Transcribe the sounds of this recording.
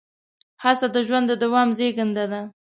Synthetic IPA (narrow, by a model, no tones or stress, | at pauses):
hasad̪əʒwand̪əd̪awɑmzeɡənd̪ad̪a